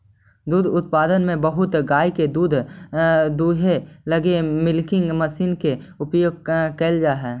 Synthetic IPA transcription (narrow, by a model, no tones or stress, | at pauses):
d̪uːd̪ʱʊt̪̚paːd̪ənmẽbəɦʊt̪ɡaːiked̪uːd̪ʱ | d̪uːɦeləɡemɪlkɪ̃ŋɡməsiːnkeʊpjoːɡ̚keld͡ʒaːɦɛː